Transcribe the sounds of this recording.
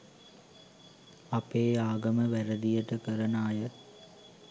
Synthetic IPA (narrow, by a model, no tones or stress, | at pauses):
apeːaːɡəməʋæɾəd̪ijəʈəkəɾənaːjə